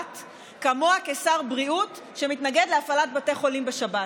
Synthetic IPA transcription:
t | kamoakesaʁbʁiut | ʃe̞mitnaɡedleafalat̚bate̞χo̞limbeʃaba

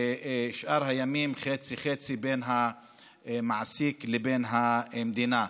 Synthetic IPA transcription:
ʃʔaɾɦajamiːmxeːt͡sixet͡sibeːnɦa | maʕsiklebeːnɦamd̪ina

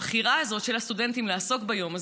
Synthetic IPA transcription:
χiʁaːzo̞t̪ʃe̞lhast̪ude̞nt̪imleaso̞kbajo̞maz

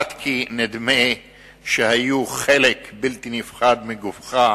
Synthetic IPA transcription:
at̪kʰined̪me | ʃehajuχelekbilt̪inifχad̪miɡufχa

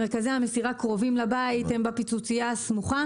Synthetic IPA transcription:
eʁkazehamesiʁakʁo̞vimlabait̪embapit͡sut͡sijasmuχa

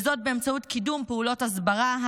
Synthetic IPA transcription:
zo̞t̚be̞emt͡sautkidumpeulo̞tazbaʁaɦ

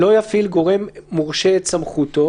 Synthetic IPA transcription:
o̞jafilɡo̞ʁe̞mːuʁʃeet̪samχut̪o̞

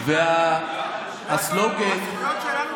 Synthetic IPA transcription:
vea | asloɡet

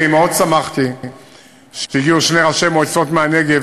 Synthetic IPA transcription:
imeo̞d̪samaχt̪i | ʃe̥t̪iɡiuʃneʁaʃemojt͡so̞t̪meane̞ɡe

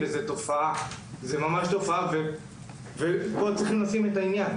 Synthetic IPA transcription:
bezet̪o̞faʔa | zemamaʃt̪o̞faave | vepot͡sʁiχimlasime̞t̪ainjan

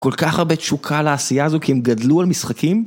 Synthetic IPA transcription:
ko̞lkaχaʁbe̞tʃukʰalaːsijaːzokiemɡadlualmisχakim

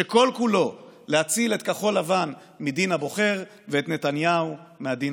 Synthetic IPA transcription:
eko̞lkulo̞leat͡silet̪kaχo̞lavan | midinhabo̞χe̞ʁ | veet̪ne̞tanjaumeadin

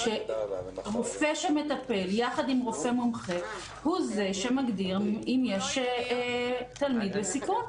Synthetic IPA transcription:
ʃe̞ | ʁofe̞ʃeme̞t̪ape̞ljaχad̪imʁofe̞momχe | huze̞ʃemaɡd̪iʁimjeʃ | t̪almid̪lesikun

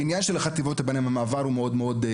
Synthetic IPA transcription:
injanʃelaχat̪ivot̪habenemamaːvaʁhumeo̞d̪meo̞d̪

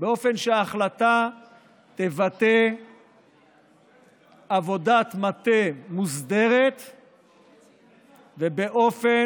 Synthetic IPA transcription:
beo̞fe̞nʃeaːχlat̪a | t̪e̞vat̪e | avo̞dat̪mat̪emuzd̪eʁet̪ | vebe̞ʔo̞fe

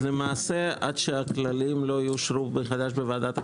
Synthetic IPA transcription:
lemaːse̞ʔa̰d̪ʃeaklalimlo̞ajuʃɾufbeχad̪aʃbevaad̪at̪

